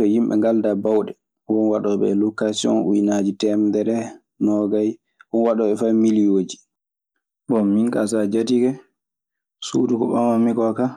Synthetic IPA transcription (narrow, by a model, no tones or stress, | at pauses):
tɔjimɓɛ̰ŋɡaldabawɗɛ | wɔnwaɗɔɓɛ̰lokasiɔ̰nujnad͡ʒitɛmdɛɾɛ | nɔɡaj | wɔnwaɗɔɓɛfamilijod͡ʒi̥ | bɔmːiŋkasad͡ʒatiɡɛ | sudukɔɓanwamːikɔka